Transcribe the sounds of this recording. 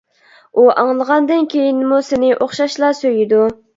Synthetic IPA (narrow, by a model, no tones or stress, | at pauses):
uʔɑŋlˠəʁɑnd̪ɨnkʲʰejinmusɪnɪʔoχʃɑʃlˠɑsøjid̪u